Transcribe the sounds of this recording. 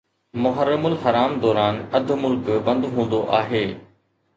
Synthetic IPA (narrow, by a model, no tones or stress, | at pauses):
mʊɦəɾəmʊlɦɐɾaːmd̪ɔːɾaːnɐd̪ʱʊmʊlkbɐ̃nd̪ɦũːn̆d̪oʔaːɦeː